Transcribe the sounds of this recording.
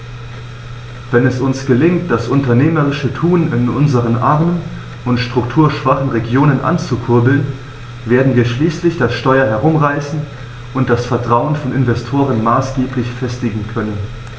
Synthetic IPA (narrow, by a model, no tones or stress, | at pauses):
vɛnɛsʊnsɡ̥əlɪŋt̚d̥asʔʊntɐneːməʁɪʃətʰuːnɪnʔʊnzəʁ̞ənʔaʁmən | ʊntʃtʁ̥ʊktʰuːɐʃv̥aχn̩ʁeɡjoːnənʔa̰nt͡sukʰʊɐbl̩n | veːɐdn̩viːɐʃliːslɪçd̥asʃtɔʏɐɦɛɐʁ̞ʊmʁaɪsn̩ | ʔʊnt̚d̥asfɛɐtʁ̥aʊənfɔnɪnvɛstʰoːʁənmaːsɡ̥eːplɪçfɛstɪɡŋ̩kʰœnən